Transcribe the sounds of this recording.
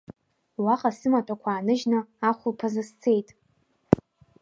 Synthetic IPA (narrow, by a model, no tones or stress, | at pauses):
waqʼasɨmatʷʰʼakʷʰaːnɨʒnɨaχʷʊlpʰazast͡sʰe̞jtʼ